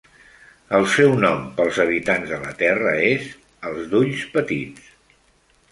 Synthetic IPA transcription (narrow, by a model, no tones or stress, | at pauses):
əlˠsɛwnɔmpəlˠzəβ̞it̪anzðələt̪ɛrəez | əlˠzd̪uʎspət̪it͡s